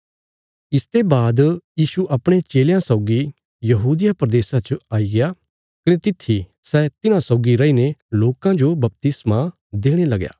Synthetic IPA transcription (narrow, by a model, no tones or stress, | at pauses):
ɪst̪ebaːd̪jiːʃuʔɐpɽ̃et͡ʃeːljãsɔʊɡi | jɐɦuːd̪ɪjapɾɐd̪eːsãt͡ʃaːiɡɪja | kɪnet̪ɪt̪ʰːi | sɛːt̪ɪnãsɔʊɡiɾɐineloːkãd͡ʒobɐp̚t̪ɪsmã | d̪eːɽ̃elɐɡja̰ː